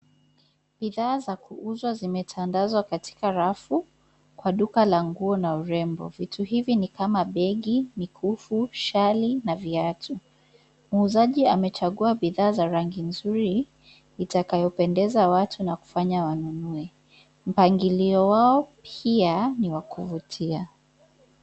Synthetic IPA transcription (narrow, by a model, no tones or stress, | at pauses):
ɓiðaːzakuuzwazimɛtʰandazwakati̥kaɾafu | kwaɗukalaŋɡuɔnauɾɛmbɔ̰vituɦivinikamaɓɛɠimikʰufuʃalinaviatʰu | muːzaʄiamɛt͡ʃaɠuaɓiðaːzaɾaŋɡinzuɾi | itakajɔpɛndɛzawatʰunaku̥faɲawanunuɛ | m̩paŋɡiliɔwaɔpʰianiwakʰuvutʰia